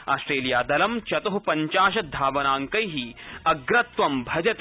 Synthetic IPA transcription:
a̰ːsʈɾeːlijaːd̪ɐlɐmt͡ʃɐt̪ɐɦupɐɲt͡ʃaːʃɐd̪ʱaːʋɐnaːŋkɐjɦiɐɡɾɐt̪ʋɐmbʱɐd͡ʒɐt̪

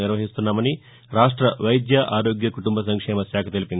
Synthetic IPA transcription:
niɾʋɐɦist̪unːaːmɐni | ɾaːʂʈɾɐʋɐjd̪jaʔaːɾo̞ːɡjɐkuʈumbʱɐsɐŋkʂɛːmɐsaːkʰɐt̪elipind̪

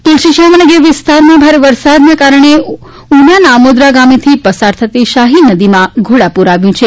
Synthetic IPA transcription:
t̪ulʃiʃamənəɡeʋɪst̪aɾmãbʱaɾeʋəɾsad̪nakaɾəɳ̃e | unjanaːmod̪ɾaɡamit̪ʰipəsaɾt̪ʰət̪iʃaɦinəd̪imãɡʱoɽapuɾaʋjũt͡ʃʰe

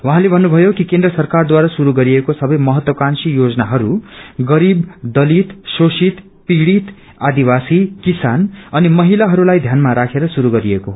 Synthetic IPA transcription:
waɦãlebʱʌnːubʱʌjokikend̪rʌsʌrkard̪waɾasuɾuɡʌɾiekosʌbʌjmʌɦʌt̪wʌkansijod͡zʌnaɦʌɾuɡʌɾibd̪ʌlit̪sosit̪ | piɽit̪ | ad̪ibasikisanʌnimʌɦilaɦʌɾulajd̪ʱjanmaɾakʰeɾʌsuɾuɡʌɾieko

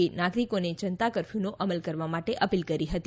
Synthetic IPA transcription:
inaɡɾikonet͡ʃənt̪akəɾfjunoʔʔəməlkəɾʋamaʈeʔəpilkəɾiɦət̪i

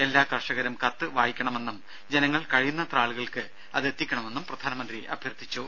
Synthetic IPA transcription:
e̞lːaːkɐrʂɐɣɐɾumkɐt̪ːɨʋaːjikʲːɐɳɐme̞nːum | d͡ʑenɐŋːɐɭkɐɻijunːɐt̪raːɭuɣɐɭkɨ | ɐ̰ðe̞t̪ːikʲːɐɳɐme̞nːumprɐd̪ʱaːnɐmɐnd̪riʔɐ̰bʱjɐrt̪ːit͡ɕːu

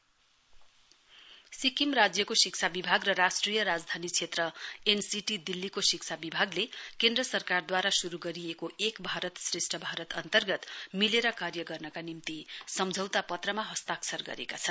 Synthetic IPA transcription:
sikimrad͡zjʌkosik̚t͡sʰabibʱaɡrʌɾasʈrijʌɾad͡zd̪ʱanit͡sʰet̪rʌensiʈid̪ilːikosikt͡sʰabibʱaɡlekend̪rʌsʌrkard̪waɾasuɾuɡʌɾijekoekbʱaɾʌt̪sresʈʰʌbʱaɾʌt̪ʌnt̪ʌrɡʌt̪mileɾʌkarjʌɡʌrnʌkanimt̪isʌmd͡zʱʌwt̪apʌt̪rʌmaɦʌst̪aksʰʌrɡʌ̰ɾḛkat͡sʰʌn

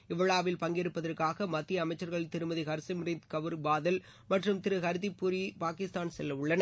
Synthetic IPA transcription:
ɪʋɐɭaːʋɪlpɐŋɡɪɾɯpːɐðɐrkaːɣɐmɐt̪ːiɐɐmɐɪt͡ʃːɐɾɣɐɭt̪ɪɾɯmɐðɪɣɐɾsɪmɾɪnt̪kɐʋɯɾbaːðɐl | mɐʈrɯmt̪ɪɾɯɣɐɾɯðipːʊɾipaːkɪst̪aːnsɛlːɐʊɭːɐnɐ

